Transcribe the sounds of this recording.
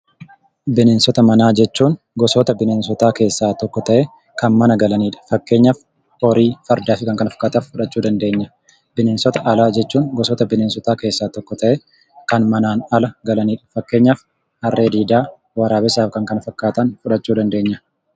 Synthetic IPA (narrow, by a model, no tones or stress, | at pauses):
bɪneːnsɔt̪ɐmɐnaːd͡ʒɛt͡ʃːuːŋ | ɡɔsɔt̪ɐbɪneːnsɔt̪aːke̞ːsːaːt̪ɔkːɔt̪ɐʔɛ | kɐnmɐnɐɡɐlɐniːᶑɐ̥fɐkːe̞ːɲːaːf | ɔɾiːfɐɾd̪aːfɪkɐŋkɐnɐfɐ̥kːaːt̪ɐfʊᶑɐt͡ʃːuːd̪ɐnd̪e̞ːɲːɐ | bɪneːnsɔt̪ɐʔɐlaːd͡ʒɛt͡ʃːuːŋɡɔsɔt̪ɐbɪneːnsɔt̪aːke̞ːsːaːt̪ɔkːɔt̪ɐʔɛ | kɐnmɐnaːnɐlɐɡɐlɐniːᶑɐ̥fɐkːe̞ːɲːaːf | hɐrːeːd̪iːd̪aː | wɐɾaːbɪsaːfkɐŋkɐnɐfɐkːaːt̪ɐnfʊᶑɐt͡ʃːuːd̪ɐnd̪e̞ːɲːɐ